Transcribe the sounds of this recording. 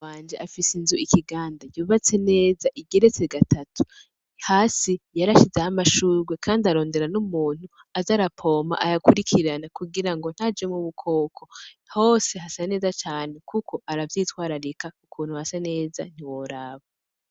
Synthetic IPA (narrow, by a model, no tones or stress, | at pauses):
aːnd͡ʒeʔafisinzuʔikʰiɡaːndajuːβat͡se̞ne̞ːzaʔiɡe̞ɾe̞t͡se̞ɡatʰatʰu̥ | haːsijaɾaʃizehamaʃuːɾwe̞kʰaːndiaɾo̞ːnde̞ɾanumuːn̥hu | azaɾapʰo̞ːma̰ʔajakuɾikʰiɾanakuɡiɾaŋɡo̞n̥had͡ʒemuβukʰo̞ːkʰo̞ | ho̞ːse̞ɦasane̞ːzat͡ʃaːne̞kʰukʰo̞aɾavjiːtwaːɾaɾekaukʰuːn̥huhasane̞ːza̰n̥iwoɾaβa